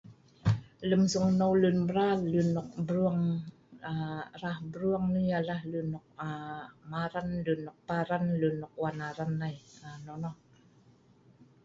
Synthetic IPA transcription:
lɯmsuŋnɔwlɯnbrallɯnɔk̚bruəŋ | arahbruəŋnialahlɯnɔk̚amaɾanlɯnːɔk̚paɾanlɯnːɔk̚wanaɾanːajanɔnɔ

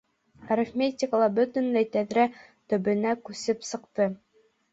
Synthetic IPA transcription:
aɾʲɘfmʲetʲɪkəlˠɑbɵ̆t̪ɵ̆nlæjt̪æðɾæ | t̪ɵ̆bɘ̆nækʉsɘpsɤ̆qt̪ɤ

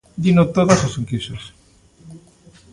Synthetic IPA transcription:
d̪inot̪oðososeŋkiʃos

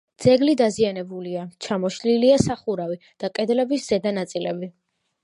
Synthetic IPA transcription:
d̪z̥ɛɡlid̪azianɛbuliat͡ʃʰamɔʃliliasaχuɾavi | d̪̥akʼɛd̪lɛbisz̥ɛd̪anat̪sʼilɛbi

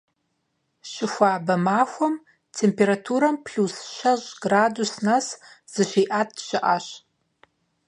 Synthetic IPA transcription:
ʃɪxʷaːbamaxʷam | tʰempʰeɾatʰuɾampʰɬusʃaʒʷɡradusnasz̥ɨʃʷiʔat̚ʰʼʃɪʔaʃ

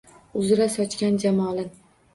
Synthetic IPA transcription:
ʊzɪɾasɒt͡ʃkʲand͡ʒamɒlɪn

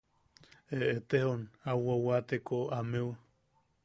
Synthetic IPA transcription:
eet̪ehonawawat̪ekoamew

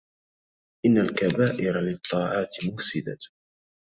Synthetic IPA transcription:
ʔɪnːalkabaːʔɪɾalɪt̪ˤːɑːʕɑːt̪mʊfsɪd̪a̰

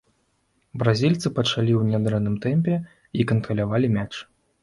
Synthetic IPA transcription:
bɾazʲilʲt̪sɨpɐt͡ʂalʲiwnʲad̪ɾɛnːɨmt̪ɛmʲpʲɛ | ikɐnt̪ɾɐlʲavalʲimʲat͡ʂ

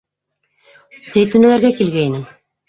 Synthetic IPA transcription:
t̪ejt̪ːynølæɾɡɛkilɡejnim

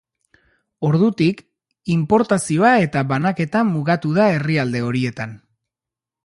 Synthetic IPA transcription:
o̞ɾðut̪ik | impo̞ɾt̪asio̞ae̞t̪aβanake̞t̪amuɣat̪uðae̞riald̪e̞o̞ɾie̞t̪an

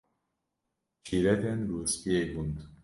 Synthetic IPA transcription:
t͡ʃʰiɾɛt̪ɛnɾuspiebund̪

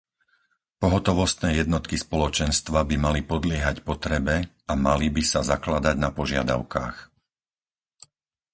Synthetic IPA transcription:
pɔɦɔt̪ɔʋɔst̪nɛːjɛd̪nɔt̪kispɔlɔt͡ʃɛnst̪ʋabimalipɔd̪lɪɛɦacpɔt̪ɾɛbɛ | ama̰libisazaklad̪aɟnapɔʒɪa̰d̪a̰ʊka̰ːx

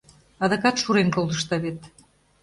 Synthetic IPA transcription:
ɑd̪ɤ̆kɑt̪ʃuɾenkold̪ə̆ʃt̪ɑβet̪

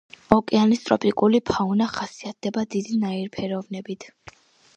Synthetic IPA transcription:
ɔkʼɛanist̪ʼɾɔ̰pʼikʼulipʰaunaχasiat̪̚ʰd̪̥ɛbad̪id̪inaiɾpʰɛɾɔvnɛbit̪ʰ

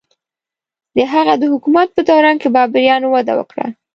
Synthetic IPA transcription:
d̪əɦaɣad̪əhʊkumat̪̚pət̪owɾɑnkebɑbɪɾjɑnowad̪a̰wə̰kɽa̰

